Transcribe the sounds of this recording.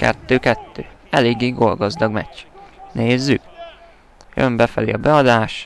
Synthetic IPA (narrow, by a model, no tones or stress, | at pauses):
kɛ̰t̪ːøːkɛt̪ːøːɛleːɡːeːɡo̞lɡɒzd̪ɒɡmɛ̰ct͡ʃːneːzːyk | jø̰mbɛfɛlḭɒbɛɒd̪aːʃ